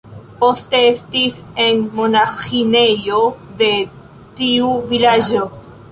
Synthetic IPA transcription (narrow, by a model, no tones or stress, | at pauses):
po̞ste̞estis | enmonaxine̞jo̞de̞ | tiuvilad͡ʒo